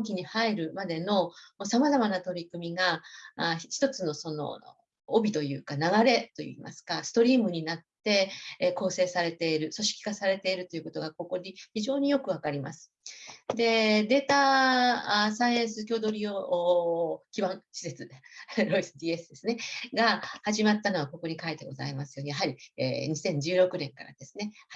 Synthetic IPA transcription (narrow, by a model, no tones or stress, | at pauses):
okʲiɲ̟ihaiɾɯ̟mad̪e̞no̞mosamazamanat̪o̞ɾʲikɯ̟mʲiɡa | çi̥t̪o̞t͡sɨno̞so̞no̞̰ː | bʲit̪o̞jɯ̟̰ːkanaɡaɾe̞t̪o̞̰jɯ̰ḭma̰sɨ̥kasɨ̥t̪o̞ɾʲiːmɯ̟ɲ̟inat̪ːe̞ko̞ːse̞ːsaɾe̞t̪e̞iɾɯ̟so̞ɕi̥kʲi̥kasaɾe̞t̪e̞iɾɯ̟t̪o̞jɯ̟ko̞t̪oɡako̞ko̞d̪içiʑo̞ːɲ̟ijo̞kɯ̟βakaɾʲima̰sɨ̥d̪e̞d̪e̞ːt̪a | saiẽɰ̃sɨkʲo̞ːd̪o̞ɾʲiokʲibãŋ̃ɕi̥se̞t͡sɨɾo̞isɨd̪ʲiːe̞sɨd̪e̞sɨne̞ɡahaʑimat̪ːano̞β̞ako̞ko̞ɲ̟ikait̪e̞ɡo̞za̰imasɨjo̞jaɦaɾʲiḛːɲ̟isẽ̞ɲ̟d͡ʑɨːɾo̞kɯ̟nẽ̞ŋkaɾa̰d̪̥e̞sɨne̞